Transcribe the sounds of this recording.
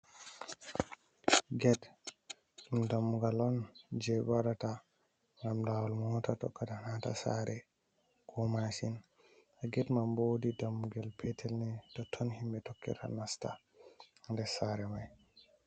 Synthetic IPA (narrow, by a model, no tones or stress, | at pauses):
ɡɛt | umdamːuɡalɔnd͡ʒɛbaɾata | ŋɡamdawalmɔɔtatɔ̰kːatanata̰sa̰ɾɛ | kʰɔmasin | aɡɛtmambodidamːuɡalpʰɛtʰɛlnɛtɔtʰːɔnhimbɛtɔkːɛ̰tʰa̰nasta̰ | ndɛsaɾɛmaj